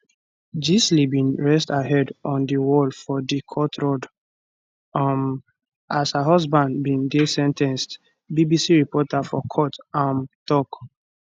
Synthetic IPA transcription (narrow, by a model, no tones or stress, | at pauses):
d͡ʒislibĩnɹɛstaɦɛdɔ̃ndiwɔlfɔdikʰɔtʰɹɔd | m | ashaɦɔzbãndbĩŋdesɛ̃ntʰɛ̃nst | bibisiɹipɔtafɔkʰɔtãmtɔk